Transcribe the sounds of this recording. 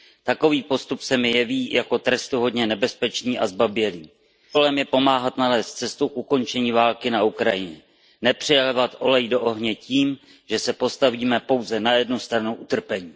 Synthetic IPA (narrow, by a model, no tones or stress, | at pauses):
t̪ako̞viːpo̞st̪upsɛmɪjɛviːjako̞t̪ɾɛst̪uɦo̞dɲɛnɛbɛspɛt͡ʃniːʔazbabjɛliː | olɛmjɛpo̞maːɦat̪nalɛːst̪̚t͡sɛst̪uʔuko̞nt͡ʃɛɲiːvaːlkɪnaʔukɾajɪɲɛ | nɛpr̥ɪjɛlɛvat̪ʔo̞lɛjdoʔoɦɲɛciːm | ʒ̥ɛsɛpo̞st̪aviːmɛpo̞wzɛnajɛdnust̪ɾanuʔut̪r̩pɛɲiː